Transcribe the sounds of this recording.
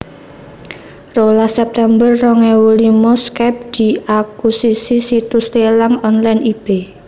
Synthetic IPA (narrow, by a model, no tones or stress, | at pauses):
rolahsɛp̚t̪ɛmbərːɔŋɛwulimɔskɛp̚d̪̥i̤ʔakusisisit̪ust̪elaŋɔnlajnib̥e